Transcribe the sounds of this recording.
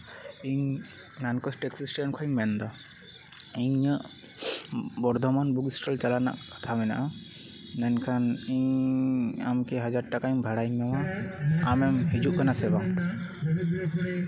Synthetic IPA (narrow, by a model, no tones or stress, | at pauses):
iɲ | nankɔsʈɛksisʈnkʰɔiɲmɛnd̪ɔ | iɲəʔ | bɔɾd̪ʱɔmanbuɡisʈalt͡ʃalana̰ʔkḁt̪ʰamɛna̰ʔa | nɛnkʰaniɲ | amkɛɦad͡ʒaɾ̚ʈakaiɲbʱaɽajɲmɛwaamɛmɦid͡ʒuʔkanasɛbaŋ